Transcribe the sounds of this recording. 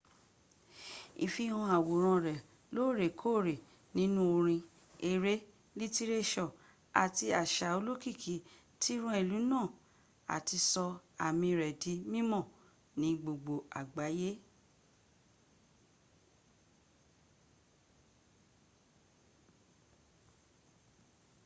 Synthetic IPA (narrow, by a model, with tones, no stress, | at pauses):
ḭ˨fi˧hɔ̃˧a˨wo˨ɾ̃ã˧ɾɛ˨ | lo˨˦˨ɾe˨kʰo˦˨ɾe˨ | nĩ˦nũ˦o˧ɾ̃ĩ˧ | e˨ɾe˦ | li˦ti˦ɾe˦ʃɔ˦˨ | a̰˨ti˧a˨ʃa˨o˧lo˦ki˦˨kʰi˨˦ | ti˦ɾ̃ɔ̃˦e˨lu˨˦nãː˦˨ | a̰˨ti˧sɔ˧a˨mĩ˧ɾɛ˨di˨˦mĩ˦mɔ̃˦˨ | nĩ˨˦ɡ͡bo˧ɡ͡bo˨a˨ɡ͡ba˨˦je˦